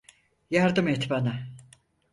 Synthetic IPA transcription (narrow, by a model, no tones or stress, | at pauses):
jaɾd̪ɯmɛt̪bana